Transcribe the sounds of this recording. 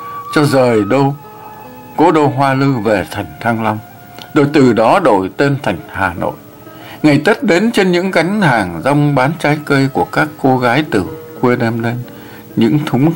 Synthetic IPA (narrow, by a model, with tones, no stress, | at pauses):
t͡ɕɔ˧zəː˨˩jɗo˧ | ko˧˨˦ɗo˧ɦwaː˧lɨ˧ve˨˩t̪ʰa˨˩jŋ̟t̪ʰaː˧ŋla˧wŋ͡m | ɗo̰˧˨jt̪ɨ˨˩ɗɔ˨˦ɗo̰˧˨jt̪e˧nt̪ʰa˨˩jŋ̟haː˨˩no̰˧˨j | ŋa˨˩jt̪ə˦˥t̚ɗe˨˦nt͡ɕe˧nɲɨ̰˧˥ŋɣa˨˦jŋ̟haː˨˩ŋza˧wŋ͡mɓaː˨˦nt͡ɕaː˨˦jkə˧jku˧˩əkaː˦˥kːo˧ɣaː˨˦jt̪ɨ˨˩kwi˧ɗɛ˧mle˧n | ɲɨ̰˧˥ŋt̪ʰʊ˨˦ŋ͡m